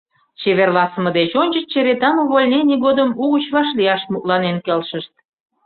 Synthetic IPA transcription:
t͡ɕeβerlɑsəməd̪et͡ɕonʲt͡ɕət͡ɕt͡ɕeɾet̪ɑnuβolʲnenʲiɣod̪əmuɣut͡ɕβɑʃliɑʃmut̪lɑnenkelʃəʃt̪̚

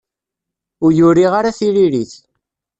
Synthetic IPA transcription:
ʊɾjʊɾiʁaɾaθiɾiɾiθ

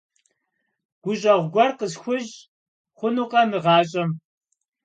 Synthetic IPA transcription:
ɡ̥ʷʊɕʼɐʁʷɡʷɔrqəsxʷʊʑ | χʷʊnuːqʼɐmɨʁɑːɕʼɐm

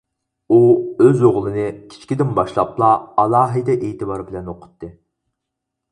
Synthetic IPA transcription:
uøzoʁlˠɨnɨkʲʰi̥t͡ʃʰkʲid̪ɪnbɑʃlˠɑplˠɑːlˠɑːɦɨd̪ɛʔejt̪ɨbɑɾbɪlɛnoqʰʊ̥t̪ːɨ

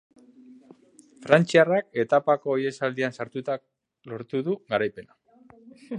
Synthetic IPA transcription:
fɾant͡siarake̞t̪apako̞ːje̞sald̪iansaɾt̪ut̪a | lo̞ɾt̪uðuɣaɾajpe̞na

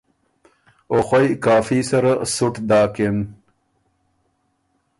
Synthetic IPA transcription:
oxojkaːfisɐɾasʊʈd̪aːken

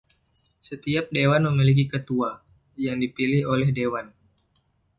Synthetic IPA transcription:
sət̪iap̚dewanməmilik̬ikət̪ua | jaŋdipilɪholɛhdewan

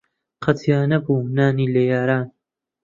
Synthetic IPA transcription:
qʰɐt̪ʰjaːnɐbuːnaːniːlejaːɾaːn

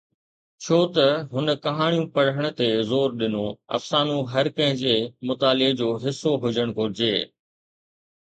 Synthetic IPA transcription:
t͡ɕʰoːt̪ɐɦʊnə̆kɐɦaːɽ̃ijũpɐɽ̤əɽ̃ə̆t̪ezoːɾɗɪnoɐ̰fsaːnũɦɐɾkɐ̃ɦɪ̃d͡ʑeːmʊt̪aːlɪɡd͡ʑoːɦɪsːoɦʊd͡ʑəɽ̃kʰoɾɪd͡ʑeː

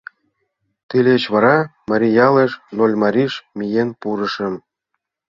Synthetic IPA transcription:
t̪ilʲet͡ɕβɑɾɑmɑɾʲijɑleʃnolʲmɑɾʲiʃmʲijenpuɾɤ̆ʃə̆m

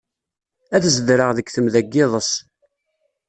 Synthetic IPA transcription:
æθzədɾəʁðəkθəmðæɡːɪðˤəs

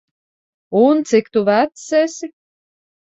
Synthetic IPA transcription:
unt̪sikt̪uvæt̪sɛsʲi

